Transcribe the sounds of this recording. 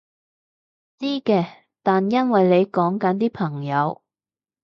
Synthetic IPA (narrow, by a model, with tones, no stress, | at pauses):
t͡siː˥kɛː˧ | t̪aː˨njɐ˥nwɐ˨jle˨˧jkɔː˨˥ŋkɐ˨˥nt̪iː˥pʰɐ˨˩ŋjɐ˨˧w